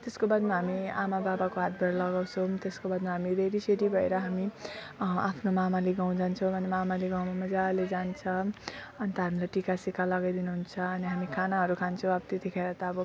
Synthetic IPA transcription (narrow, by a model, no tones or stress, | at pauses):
t̪eskobad̪maɦamiamababakoɦat̪̚bʱʌɾʌlʌɡaw̃t͡sʰʌw̃t̪eskobad̪maɦamid̪ʱeɾiseɾibʱʌḛɾʌɦami | apʰnomamaleɡaw̃d͡zant͡sʰʌ̃w̃bʌnemamaleɡaw̃mamʌd͡zaled͡zant͡sʰʌʌnit̪ʌɦamilajʈikasikalʌɡajd̪inuɦunt͡sʰʌːniɦamikʰanaɦʌɾukʰant͡sʰʌw̃ʌbʌt̪et̪ikʰeɾat̪ʌʌbʌ